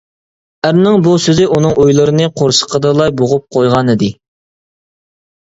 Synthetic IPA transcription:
æɾnɪŋbusøzɪʔunɨŋʔujlˠɨɾɨnɨqʰoɾsə̥qʰəd̪ɨlˠɑjboʁʊp̚qʰojʁɑnɨd̪ɪ

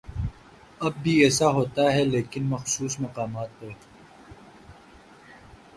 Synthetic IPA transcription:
ɐb̚ːʱiɛːsaɦoːt̪aɦɛleːkɪnmɐxsuːsmɐqaːmaːt̪̚pɐ

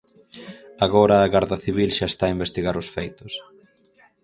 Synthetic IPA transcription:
aɣoɾɐːɣaɾðɐθiβilʃaest̪aimbest̪iɣaɾʊsfejt̪ʊs

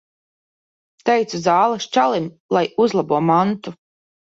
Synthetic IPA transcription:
t̪ɛjt̪suzaːlˠast͡ʃalˠim | lˠajuzlˠabuɔmant̪u

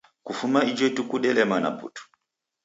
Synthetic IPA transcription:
kufumaid͡ʒwɛtukuɗɛlɛmana̰pṵtu̥

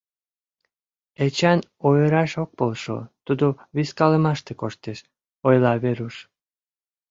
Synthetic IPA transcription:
et͡ɕɑnojəɾɑʃok̚polʃo̰t̪ud̪oβiskɑləmɑʃt̪ekoʃt̪eʃ | ojlɑβeɾuʃ

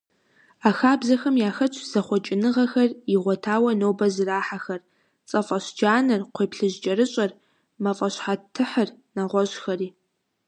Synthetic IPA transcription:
aːxaːbzɐxɐmjaːxɐt͡ʃʰʼz̥ɐχʷɔt͡ʃʼɪnɨʁɐxɐriʁʷɔtʰaːwɐnoːbɐzɨraːħaxɐr | t͡sʼɐfʼɐɕd͡ʒaːnɐrqʷeːpɬɨʑd͡ʒʼɐɾɨɕʼɐr | mɐfʼɐɕħatʰːɨħərnaʁʷɔɕxɐriː

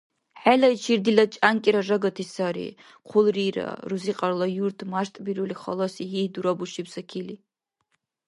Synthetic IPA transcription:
ħalɐit͡ʃʰird̪ilɐt͡ʃʼankʲʼiɾɐʐɐɡɐtʰisaɾḭ | qʷʰʊlriɾɐ̰ruziqʼɐrlɐjuɾt̪ʰmaʃt̪ʼbiɾuliχɐ̰lɔsiɦid̪uɾɐbuʃipsɐkʲʰili

